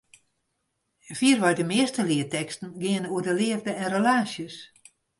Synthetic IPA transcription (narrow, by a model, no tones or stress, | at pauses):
fiərʋajdəmɪəstəlɪətɛkstn̩ɡɪənuədəlɪəvdəɛnrəlaːsjəs